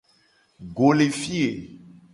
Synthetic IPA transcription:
ɡo˨le˨fi˦e˨

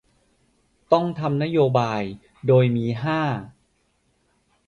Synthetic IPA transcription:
t̪ɔ˥˩ŋt̪ʰa˧mna˦˥joː˧baː˧j | doː˧jmiː˧ɦaː˥˩

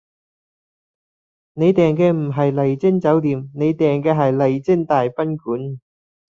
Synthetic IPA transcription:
ne˨˧jt̪ɛː˨˩ŋkɛː˧m̩˨˩ɦɐ˨jlɐ˨˩jt͡sɪ˥ŋt͡sɐ˨˥wt̪iː˨mne˨˧jt̪ɛː˨˩ŋkɛː˧ɦɐ˨jlɐ˨˩jt͡sɪ˥ŋt̪aː˨jpɐ˥nkuː˨˥n

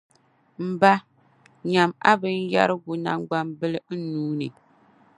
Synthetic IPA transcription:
m̩˨ba˦ | ɲa˨ma̰˦bɨ˦n˦ja̰˦ɾɨ˦ɡʊ˨na̰˦mɡ͡ba˦mbɨ˦lɨ˦n̩˦nuː˦nɨ˨

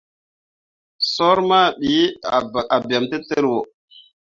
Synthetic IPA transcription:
so˦ɾma˦ɓi˨˦a˨a˨ba˨mtə˦tə˦ɾwo˨

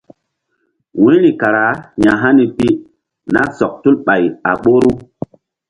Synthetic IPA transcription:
wĩ˦li˨ka˨ɾa˨˦ɲa˨ɦa˦ni˨pi˦ | na˦sɔ˨k̚tu˦lɓa˨ja̰˨ɓo˦ɾu˦

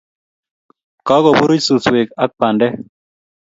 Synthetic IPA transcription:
kɔ˦ɡɔ˨bu˦ɾu˦t͡ʃsu˨swe˨ka˦k̚pa˨ndɛ˦

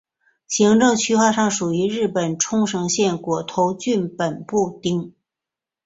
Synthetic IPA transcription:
ɕi˧˥ŋʈ͡ʂɤ˥˧ŋt͡ɕʰy˥xwa˥˧ʂɑ˥˩ŋʂu˨˩y˧˥ɻɻ̩˥˩pə˨˩nʈ͡ʂʰʊ˥ŋʂɤ˧˥ŋɕjɛ˥˩nkwɔ˨˩t̪ʰo˧˥ʊt͡ɕy˥˩npə˨˩npu˥˩t̪i˥ŋ

